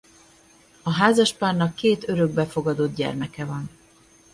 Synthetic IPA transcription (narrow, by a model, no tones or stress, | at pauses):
ɒɦaːzɒʃpaːrnɒkːeːt̪ø̞ɾø̞ɡ̚bɛfo̞ɡɒd̪od̪̚ɟɛ̰rmɛkɛvɒn